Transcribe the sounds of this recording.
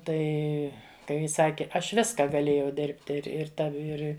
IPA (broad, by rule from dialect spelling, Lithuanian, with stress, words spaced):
ˈtɐɪ ˈkɐɪ jɪ ˈsɑːkʲɪ ˈɐʃ ˈʋʲɪskɐ ɡɐˈlʲeːjɛʊ ˈdʲeːrʲpʲtʲɪ ɪr ɪr ˈtɐw ˈɪr